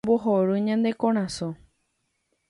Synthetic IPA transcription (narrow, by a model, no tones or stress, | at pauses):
boɦoɾɨɲãnd̪e̞kõɾ̃ãsõ